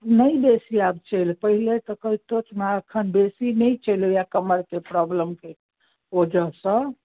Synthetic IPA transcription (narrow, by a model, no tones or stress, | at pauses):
nəjbesiabt͡ʃəjlpəɦilet̪ɔkəit̪ot͡ʃmaəkʰənbesinɛjt͡ʃəlojakəməɾkepɾɔbləmke | od͡ʒəɦsə̃